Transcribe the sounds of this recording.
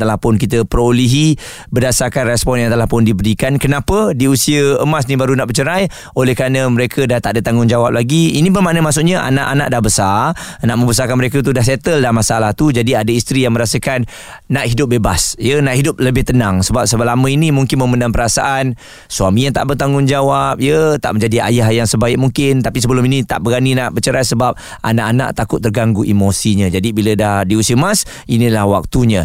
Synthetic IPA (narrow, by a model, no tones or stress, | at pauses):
t̪alapʊnkit̪əpəɾoliɦi | bədasarkanrɛspɔnjaŋt̪alapʊndibəɾikankənapədiusiəəmas̬nibaɾunaʔbət͡ʃəɾaj | olɛhkɾanəməɾekʰədaht̪aʔdət̪aŋʊŋd͡ʒawap̚laɡiinĩbəmaʔnəmaʔsʊʔɲəʔa̰naʔa̰na̰ʔdahbəsaanaʔmə̃mbəs̬akanməɾekət̪̬udahsɛt̪əldaamasalaht̪ud͡ʒadiadəist̪ɾijaŋməɾasəkanː | aʔɦidʊp̚bebasjənaʔhidʊp̚ləbɪht̪ənaŋsəbap̚səlamə̃inimuŋkɪnməməndaŋpəɾasaʔan | suamijaŋt̪a̰ʔbərt̪aŋɡʊŋd͡ʒawap̚jət̪a̰ʔmə̃ɲd͡ʒadia̰jaɦjaŋsəbaɪk̚muŋkɪnt̪apisəbəlʊminit̪a̰ʔbəɡaninaʔbət͡ʃəɾasəbap̚ | ʔa̰naʔana̰ʔt̪akʊt̪ːərɡaŋɡuʔimosiɲəd͡ʒadibilədahdiusiəmas | ʔinilahwak̚t̪uɲə̃